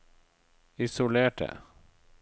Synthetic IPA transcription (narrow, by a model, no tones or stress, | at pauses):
ɪsʊleːʈ̚ɛ̰